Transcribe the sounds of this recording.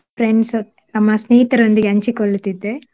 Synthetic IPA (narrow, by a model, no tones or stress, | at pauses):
pɾeɳɖs | ɐmːɐsniːt̪ɐɾond̪uɡʲɐɲt͡ʃikoɭut̪id̪ːe